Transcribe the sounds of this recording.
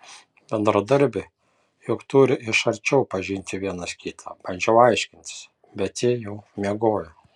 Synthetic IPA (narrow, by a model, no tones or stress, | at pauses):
b̥ʲɛnd̪ɾɐd̪ɐɾʲbʲɪ | jʊkt̪ʊɾʲɪʔɪʃɐɾʲt͡ʃʲɛʊpɐʒʲɪnʲt̪ʲɪʋʲiɛnɐskʲiːt̪ʰɑ̰ːb̥ɐnʲd͡ʒʲɛʊɐɪʃʲkʲɪnʲt̪ʲɪ̥s | bʲɛt̪ʲːiːjɛʊmʲiɛɡoːjʊ